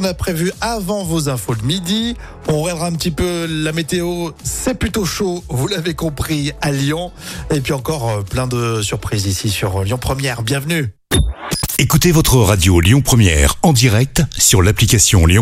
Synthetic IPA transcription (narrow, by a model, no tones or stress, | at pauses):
ɔ̃napχevyavɑ̃vozɛ̃fod̪əmid̪i | ɔ̃ʁjɛ̃d̪ʁaɛ̃pət̪ipølamet̪eosɛplyt̪oʃovulavekɔ̃pχialjɔ̃ | epɥiɑ̃kɔʁplɛ̃d̪əsyʁpχizisisyʁljɔ̃pχəmjɛʁbjɛ̃vny | ekut̪evɔt̪χəʁad̪joljɔ̃pχəmjɛ̰ʁɑ̃d̪iʁɛk̚t̪syʁlaplikasjɔ̰̃ljɔ̃